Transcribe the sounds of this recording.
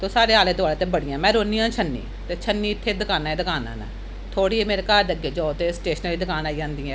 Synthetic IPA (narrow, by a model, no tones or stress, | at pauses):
t̪oːsaːɾeːaːlẽːt̪oaːleːt̪eːbəɽɪjãːmɛ̃ːɾoːniːãːt͡ʃʰənːḭː | t̪eːt͡ʃʰənːiːɪt̪ʰːeːd̪ɪkaːnaːeːd̪ɪkaːna̰ːna̰ː | t̪ʰoːɽiːɦɛːmeːɾeːkaːɾd̪əɡeːd͡ʒɔːt̪eːsʈeːʃnəliːd̪ɪkaːnaːiːd͡ʒãːnd̪iːɛ̃ː